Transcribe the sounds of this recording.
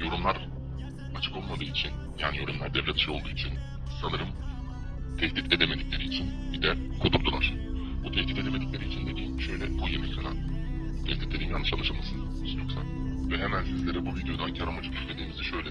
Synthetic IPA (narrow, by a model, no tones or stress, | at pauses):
jo̞ɾumlˠaɾ | at͡ʃʰɯ̥ko̞lˠmad̪ɯːit͡ʃʰin | jaːnijo̞ɾumlˠaɾd̪ɛvlʲɛt̪i̥ʃajo̞lˠd̪uːit͡ʃʰin | sanɯɾɯm | t̪ʰɛhd̪it̪ed̪eme̞d̪iclʲe̞ɾiːt͡ʃʰinbid̪ɛ | kʰod̪uɾd̪ulˠaɾ̥ | but̪ʰɛht̪it̪e̞d̪eme̞d̪iclʲeɾiːt͡ʃʰind̪ecʲʰi | ʃø̞jlʲɛbujemɛclʲanan | t̪ʰɛht̪it̪lʲed̪imjanːɯʃalˠɯʃamasɯn | isnjo̞ksavɛɦemænsizlʲe̞ɾɛbuvid̪jo̞d̪ancʰaɾamod͡ʒuɟʲit̪me̞d̪iːmizd̪ɛʃø̞jlʲɛ